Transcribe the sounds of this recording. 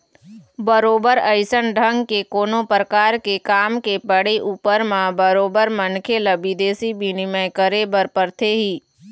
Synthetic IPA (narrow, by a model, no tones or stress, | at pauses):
bəɾoːbəɾəɪsənɖʱə̃ŋɡkekoːnõpɾəkaːɾkekaːmkepəɽeʔuːpəɾmãbəɾoːbəɾmənkʰelɐbid̪eːsibʱinɪməjkəɾebəɾpəɾt̪ʰeɦiː